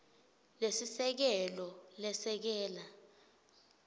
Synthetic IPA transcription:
lesisɛk̬ɛlɔlɛsɛk̬ɛːla

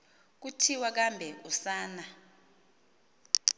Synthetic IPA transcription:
k̬utʰiwak̬ambʱɛʔusaːna

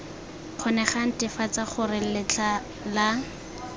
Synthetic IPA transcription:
q͡χʰɔnɛχan̩tɪfat͡saχʊrɪl̩lɪt͡ɬʰa | la

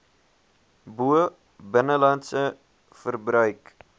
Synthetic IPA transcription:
buə | bənəlɐntsə | fərbrœɥk

